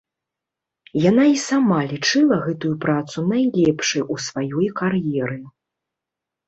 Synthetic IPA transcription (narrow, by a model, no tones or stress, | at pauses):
janaisamalʲit͡ʂɨlˠɐɣɛt̪ujupɾat̪sunajlʲɛpʂɨjʔusvajɔjkarjɛɾɨ